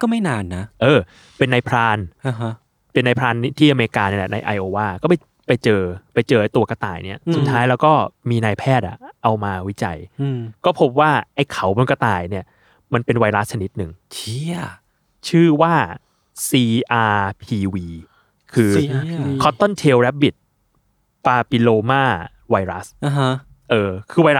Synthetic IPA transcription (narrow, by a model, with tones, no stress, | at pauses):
kɔː˥˩ma˥˩jnaː˧nːa˦˥ʔɤː˧ | pe˧nːa˧jpʰɾaː˧nʔa˧ɦa˦˥ | pe˧nːa˧jpʰɾaː˧n˥t̪ʰiː˥˩ʔa˧me˧ɾi˧kaː˧ni˥˩lɛ̰˨˩na˧jʔa̰˧jʔoː˧waː˥˩kɔː˥˩pa˧˦ | pa˧jt͡ɕɤː˧pa˧jt͡ɕɤː˧ʔa˧˩jt̪u˧ɐka˧t̪a̰ː˨˩jni˥˩ɐsu˨˩t̪ʰːaː˦˥jlɛː˦˥wkɔː˥˩miː˧naː˧jpʰɛː˥˩t̪̚a̰˩ʔa˧wmaː˧wi˦˥t͡ɕa̰˧jkɔː˥˩pʰo˦˥p̚waː˥˩ʔa˥˩jkʰa˨˩˦wma˧nka˧t̪aː˨˩jni˥˩ɐ | ma˧npe˧nwa˧jɾa˦˥st͡ɕʰa˧ni˦˥t̪̚nɯ˨˩ŋt͡ɕʰ | t͡ɕʰɯː˥˩waː˥˩ | siː˧ʔaː˧pʰiː˧wiː˧ | kʰɯː˧kʰɔ˦˥t̪ːo˥˩nt̪ʰeː˧wɾɛ˦˥p̚bi˨˩t̪̚ | paː˧pi˧loː˧maː˥˩ | wa˧jɾa˦˥sa˧ɦ | ʔɤː˧kʰɯː˧wa˧jɾa˦˥